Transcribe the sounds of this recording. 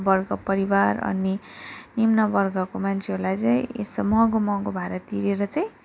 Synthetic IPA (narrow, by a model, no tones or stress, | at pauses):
bʌrɡʌpʌɾiwaɾʌ̰ninimnʌbʌrɡʌkomant͡sʰeɦoɾlajt͡sʌj̃ḛsʌmʌɦɡomʌɦɡobʱaɾat̪iɾeɾʌt͡sʌj̃